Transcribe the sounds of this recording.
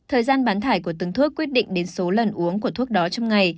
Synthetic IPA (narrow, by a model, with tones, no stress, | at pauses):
t̪ʰəː˨˩jzaː˧nɓaː˨˦nt̪ʰaː˧˩jku˧˩ət̪ɨ˨˩ŋt̪ʰu˦˥əkːwi˦˥t̚ɗḭ˧˨ŋ̟ɗe˨˦nso˨˦lə˨˩nʔu˨˦əŋku˧˩ət̪ʰu˦˥ək̚ɗɔ˨˦t͡ɕɔ˧wŋ͡mŋa˨˩j